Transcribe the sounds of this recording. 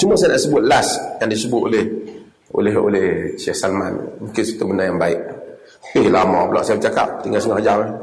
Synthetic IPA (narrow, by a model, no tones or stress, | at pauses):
t͡ʃumuasaanaʔsəbʊt̪̚lasjaŋdisəbʊt̪oleh | o̰leɦo̰lehsɛhsalma̰n̰muŋkinsə̥t̪ubənajaŋbaɪʔ̚ | ehlamɔ̰pəlɔ̰ʔsaabət͡ʃaka̰p̚t̪iŋɡalsəŋɔhd͡ʒama